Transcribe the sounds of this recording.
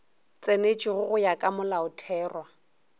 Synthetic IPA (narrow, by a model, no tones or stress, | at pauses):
t͡sʼenet͡ʃʼiɣʊɣʊjakʼamʊlaʊtʰɛːrwa